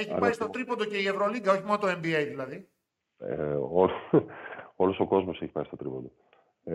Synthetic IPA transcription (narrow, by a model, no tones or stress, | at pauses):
eçipɐɾist̪o̞t̪ɾipond̪oce̞ie̞vɾoliŋɡɐo̞çimo̞not̪oe̞mbiejðilɐði | olo | olo̞soko̞zmo̞seçi̥pɐ̰ist̪ot̪ɾipo̞nd̪o